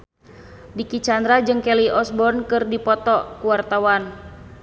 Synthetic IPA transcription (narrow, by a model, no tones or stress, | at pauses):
dikit͡ʃand̪ɾad͡ʒɨŋkɛliɔsbɔnkɨrdipɔt̪ɔkuwart̪awan